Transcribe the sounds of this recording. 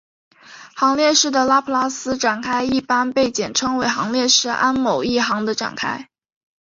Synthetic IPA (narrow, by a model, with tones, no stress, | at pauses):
xɑ˧˥ŋljɛ˥˧ʂɻ̩˥˩d̪ə˩la˥pʰla˥sɹ̩˥ʈ͡ʂa˨˩nkʰa˥ɪi˥˩pa˥npe˥˩ɪt͡ɕjɛ˨˩nʈ͡ʂʰɤ˥ŋwe˧˥ɪxɑ˧˥ŋljɛ˥˧ʂɻ̩˥˩ʔa˥nmo˨˩ʊi˥˩xɑ˧˥ŋd̪ə˧ʈ͡ʂa̰˨˩nkʰa˥ɪ